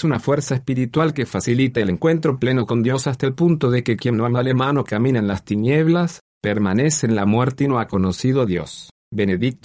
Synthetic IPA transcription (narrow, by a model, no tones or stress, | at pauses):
sunafweɾsaesspiɾit̪walkefasilit̪aeleŋkwe̞nt̪ɾo̞ple̞no̞ko̞nd̪jo̞sast̪aelpunt̪oðekekje̞noamalemanokamĩnaenlast̪injeβ̞las | peɾmaneseːnlamweɾt̪inoako̞nosið̞oðjo̰s | beneðik̚t̪o